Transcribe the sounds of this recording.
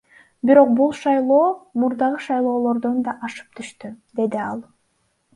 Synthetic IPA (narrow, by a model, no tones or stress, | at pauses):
biɾo̞q̚bulˠʃɑjlˠo̞ːmuɾd̪ɑʁɯʃɑjlˠo̞ːlˠo̞ɾd̪o̞nd̪ɑʔɑʃɯ̥p̚t̪ʰyʃt̪yd̪e̞d̪iɑlˠ